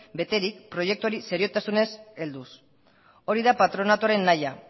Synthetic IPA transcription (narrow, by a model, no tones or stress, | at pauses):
be̞t̪e̞ɾik̚pɾo̞je̞k̚t̪uoɾise̞ɾio̞t̪asune̞se̞ld̪us | o̞ɾiðapat̪ɾo̞nat̪uaɾe̞nːaja